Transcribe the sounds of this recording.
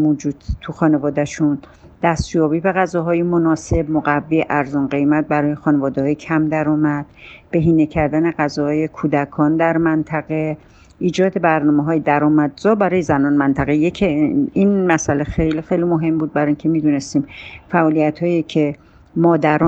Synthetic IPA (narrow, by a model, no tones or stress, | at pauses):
mod͡ʒuːd̪̥t̪ʰuxɒːnevɒːd̪æʃun | d̪̥æst̪jɒːbiːbe̞ɣæzɒːɦɒːjemo̞nɒːse̞b̚moɣævːiːʔæɾzunɢe̞jmæt̪̚bæɾɒːjexɒːnevɒːd̪ehɒːjecʰæmd̪æɾɒːmæd̪̥b̥e̞ɦiːnecʰæɾd̪æne̞ɢæzɒːhɒːje̞kʰuːd̪ækʰɒːnd̪æɾmænt̪ʰæɣe̞ | ʔiːd͡ʒɒːd̪e̞bæɾnɒːmeɦɒːjed̪æɾɒːmæd̪zɒːbæɾɒːjezænɒːnmænt̪ʰæɣejecʰinmæsælexejlixejlimo̞ɦe̞mbuːd̪̚bæɾɒːincʰe̞miːd̪unest̪iːmfæʔɔːlijæt̪hɒːjiecʰe̞ | mɒːd̪æɾɒ